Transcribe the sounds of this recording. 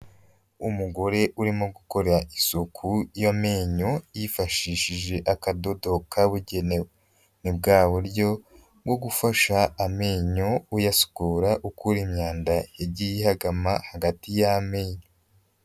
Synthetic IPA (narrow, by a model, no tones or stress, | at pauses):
umuɡo̞ɾe̞ʔuɾimoɡuko̞ɾeɾaʔisukʰujameːɲo̞jifaʃiːʃiʒe̞ʔakado̞do̞kʰaβuɟe̞ne̞we | nib̚ɡaːβuɾɟo̞ | ɡo̞ɡufaʃaːmeːɲo̞ujasu̥kuːɾaʔukuɾimɲaːndajeɟijihaɡamahaɡatijameːɲo